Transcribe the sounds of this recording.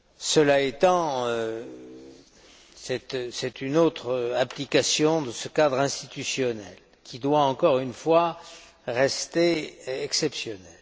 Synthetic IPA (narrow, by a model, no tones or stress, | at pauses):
səlaet̪ɑ̃ø | sɛt̪sɛt̪ynot̪χaplikasjɔ̃d̪əsəkad̪ʁɛ̃st̪it̪ysjɔnɛl | kʰʲid̪waɑ̃kɔʁynfwa | ʁɛst̪eɛksɛpsjɔnɛl